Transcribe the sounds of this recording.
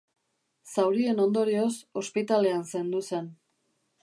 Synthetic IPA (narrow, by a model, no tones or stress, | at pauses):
sawɾie̞no̞nd̪o̞ɾio̞so̞spit̪ale̞anse̞nd̪use̞n